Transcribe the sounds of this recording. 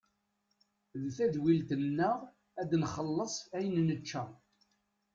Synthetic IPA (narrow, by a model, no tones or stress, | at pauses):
ðθæðwilt̪ənːəʁ | æd̪nχəlːəsˤæjənnət͡ʃːæ